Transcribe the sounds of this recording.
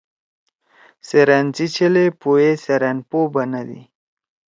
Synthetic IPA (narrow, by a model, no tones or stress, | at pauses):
seɾant͡sit͡ʃelepojeseɾanpobanad̪ḭ